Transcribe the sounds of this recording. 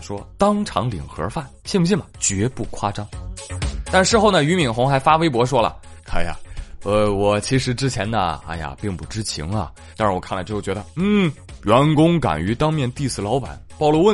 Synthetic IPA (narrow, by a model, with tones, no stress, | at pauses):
ʂwɔ˥t̪ɑ˥ŋʈ͡ʂʰɑ̰˧˥ŋlḭ˨˩ŋxɤ̰˧˥fa˥˩nɕi˥˩nm˧˥ɕ̬i˥˩nmɐ˨˩t͡ɕɥɛ˧˥pu˥˩kʰwa˥˩ʈ͡ʂɑ˥ŋ | t̪a˥˧ʂʂɻ̩˥˧xo˥˩ʊnə˩y˧˥mi˨˩nxʊ˧˥ŋxa˧˥ɪfa˥we˥ɪp̬wɔ˧˥ʂ̬wɔ˥lə̰˨kʰa˥˩ɪja̰˨˩ə˧wɔ˨˩t͡ɕʰi˧˥ʂɻ̩˧˥ʈ͡ʂɻ̩˥t͡ɕʰjɛ˧˥nə̰˨a̰˥˩ja̰˨pi˥˧ŋpu˥˩ʈ͡ʂɻ̩˥t͡ɕʰḭ˧˥ŋɐ̰˧ | t̪a˥˧ʂɻ̩˥˩wɔ˨˩kʰla˥ʈ͡ʂt͡ɕɥɛ˧˥ə˧n̩˥˩ | ɥɛ˧˥nkʊ˥ŋka̰˨˩ny˧˥t̪ɑ˥ŋmjɛ˥˧nt̪i˥˧sɹ̩˥˩lɑ˧˥ʊpa̰˨˩˦npɑ˥˩ʊlɔ˥wə˥˩